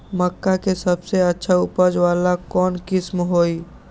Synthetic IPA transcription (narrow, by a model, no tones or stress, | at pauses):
məkːakesəbseətːʃʰaʊpəd͡ʒʋaːlakɔːnkɪsmɦoːi